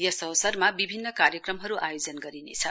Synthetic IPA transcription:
jʌsʌwsʌrmabibʱinːʌkarjʌkrʌmɦʌɾuʔajod͡zʌnɡʌɾinḛt͡sʰʌ

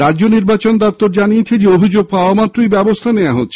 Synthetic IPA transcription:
ɾad͡ʑoniɾbat͡ɕond̪ɔp̚t̪oɾd͡ʑanijet͡ɕʰed͡ʑeobʱid͡ʑoɡ̚paoamat̪ːɾijbɛbost̪ʰaneaɦo̰t̪ːɕʰe

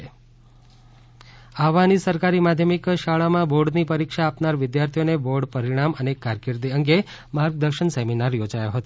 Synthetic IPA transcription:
aʋanisəɾkaɾimad̪ʱjəmikʃaɭamãboɾɖnipəɾikʃaːpnaɾʋɪd̪jaɾt̪ʰijoneboɾɖpəɾiɽ̃amənekaɾkiɾd̪iəŋɡe | maɾɡ̚d̪əɾʃəɳseminaɾjod͡ʒajoɦət̪o

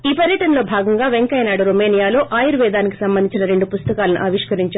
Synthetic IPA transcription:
iːpɐɾjɐʈɐnɐlo̞ːbʱaːɡɐŋɡaːʋeŋkɐjnaːɽuɾomeːnijaːlo̞ːʔaːjɐɾʋɛːd̪aːniki̥sɐmbɐnd̪iɲt͡ʃinɐɾe̞ɳɖupust̪ɐkaːlɐnṵʔɐːʋiʂkɐɾiɲt͡ʃa

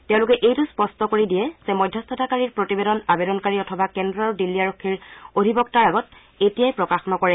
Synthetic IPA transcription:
tɛʊ̃lʊkɛʔejtuspɔstɔkoɹidijɛz̥ɛmɔjdʱjast̪ʰɔtʰakaɹiɹpɹotibedɔnabedɔnkaɹiɔtʰɔbakɛndɹɔɹdilːiaɹokʰːiɹodʱibɔktaɹaɡɔt | etijajpɹɔkaxɔnɔkɔɹɛ

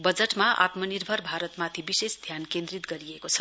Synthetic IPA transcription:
bʌd͡zeʈmaʔa̰t̪mʌnirbʱʌrbʱaɾʌt̪mat̪ʰibisesd̪ʱjankẽnd̪rit̪ɡʌɾiekot͡sʰʌ

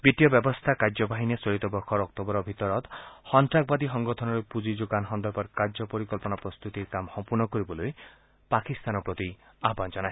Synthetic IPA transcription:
bit̪ijɔbjɔbɔst̪ʰakaɾd͡ʒɔbʱaɦinesɔit̪ɔbɔkʰɔɾɔk̚t̪ɔbɔɾɔbʱit̪ɔɾɔt̪hɔnt̪ɾak̚bad̪iɦɔŋɡɔt̪ʰɔnɔɾepud͡ʒid͡ʒoɡanɦɔnd̪ɔpɔɾkaɾd͡ʒɔpɔɾikɔlpɔnapɾɔst̪ut̪iɾkamsɔmpuɾnɔkɔɾibɔloj | pakist̪anɔpɾɔt̪iaɦband͡ʒɔnae

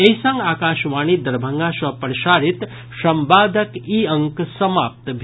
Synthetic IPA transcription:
eisɐ̃ŋɡaːkaːʃʋaːñiːd̪ɐɾbʱɐŋɡaːʃɐpɾɐʃaːɾit̪ | ʃɐmbaːd̪ʱəkiɐŋksɐmaːp̚t̪bʱ

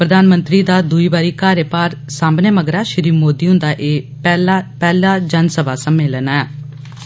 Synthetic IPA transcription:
pɾəd̪aːnmənt̪ɾiːd̪aːd̪uiːbaːɾiːkaːɾjəpaːɾsãːmbneːməɡɾaːʃəɾiːmoːd̪iːõːd̪aːʔeː | pɛːlaːd͡ʒənsəbaːsəmeːlənɛː

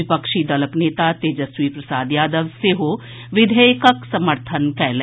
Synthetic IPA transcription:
ɪpəkʃid̪ɐləkneːt̪at̪ed͡ʒɐsʋipɾɐsaːd̪jaːd̪əʋseɦo | ʋɪd̪ʱəjkəksɐməɾt̪ʰənkɛːl

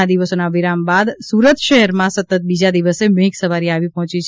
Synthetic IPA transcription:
ad̪iʋəsonaʋiɾambad̪suɾət̪ʃəɦɛɾmãsət̪ːət̪̚bid͡ʒad̪iʋəseməɦiksəʋaɾiaʋipɔɦɔ̃t͡ʃit͡ʃʰ

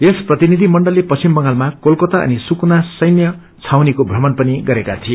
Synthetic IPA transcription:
esprʌt̪inid̪ʱimʌɳɖʌlːepʌt͡simbʌŋalmakolkot̪aʌ̰nisukunasʌjnjʌ | t͡sʰawnikobʱrʌmʌnpʌniɡʌɾekat̪ʰie

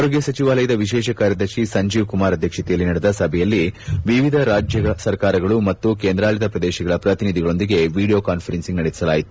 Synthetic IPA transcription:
aːɾo̞ːɡjɐsɐt͡ʃiʋaːlɐjɐd̪ɐʋiʃɛːʃɐkaːɾjɐd̪ɐɾʂisɐɲd͡ʒiːʋkumaːɾɐd̪ʱjɐkʂɐt̪ijɐlːinɐɽɛd̪ɐsɐbʱɛjɐlːiʋiʋid̪ʱɐɾaːd͡ʒjɐɐsɐɾkaːɾɐɡɐɭumɐt̪ːukeːnd̪ɾaːlit̪ɐpɾɐd̪ɛːʃɐɡɐɭɐpɾɐt̪inid̪ʱiɡɐɭo̞nd̪iɡe̞ʋiːɽijo̞ːkaːnfʰɐɾensiŋɡnɐɽesi̥sɐlaːjit̪u̥

